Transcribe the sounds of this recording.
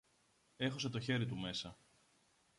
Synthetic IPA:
e̞xos̬et̪o̞çe̞ɾit̪ume̞sɐ

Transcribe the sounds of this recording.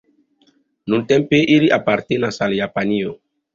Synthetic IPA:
nũnt̪ɛ̃mpeʔiliʔapaɾt̪enasaljapanio

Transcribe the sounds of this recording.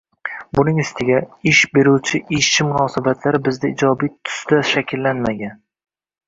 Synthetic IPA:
bʊnɪŋɪst̪ʰɪɡʲaɪʃbeɾuwt͡ʃʰɪʔɪʃt͡ʃʰːɪmʊnɒːsabat̪ʰlaɾɪbɪzd̪aɪd͡ʒɒbijt̪ʰʊ̥sd̪̥aʃakʲʰɪlːanmaɡʲan

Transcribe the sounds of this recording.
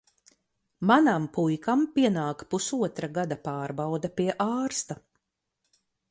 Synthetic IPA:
manampujkampiɛnaːkpusuɔt̪ɾaɡad̪apɑːɾbawd̪apiɛʔaːɾst̪a

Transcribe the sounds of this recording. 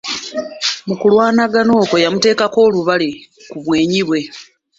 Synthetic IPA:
mukulwaːnaɡano̞ːko̞jamute̞ːkako̞ːluβali | kuβwe̞ːɲiβwe̞

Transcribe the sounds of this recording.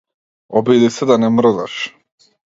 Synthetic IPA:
ɔbid̪isɛd̪anɛmrd̪a̰ʃ

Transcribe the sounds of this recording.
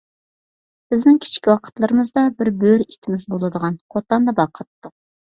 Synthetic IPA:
b̥ɪznɪŋkʲʰi̥t͡ʃkʲiwɑqʰə̥t̪lˠɨɾəmɨzd̪ɑbɪɾbøɾit̪ʰɪmɪzbolˠɨd̪əʁɑnqʰot̪ɑnd̪ɑbɑqʰːɑt̪ːʊ

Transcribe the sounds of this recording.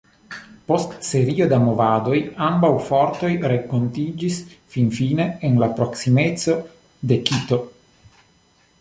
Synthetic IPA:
po̞stse̞ɾio̞d̪amovad̪o̞jambawfoɾt̪o̞jɾekːontid͡ʒisfinfine̞ːnlapɾo̞ksimeso̞ | d̪e̞kit̪o̞

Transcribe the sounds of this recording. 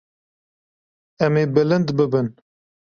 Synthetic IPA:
ɛmeːbɨlɨnd̪bɨbɨn

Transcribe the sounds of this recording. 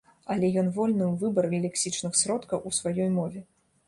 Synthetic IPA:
ɐlʲɛjɔnvɔlʲnɨwvɨbɐɾɣɐlʲɛksʲit͡ʂnɨxsɾɔt̪kɐwʔusvajɔjmɔvʲɛ

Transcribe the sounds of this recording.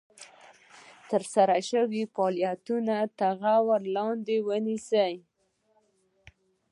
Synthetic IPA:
t̪əɾsaɾaʃəwifɑljat̪unat̪aɣawaɾlɑnd̪ewənisəj

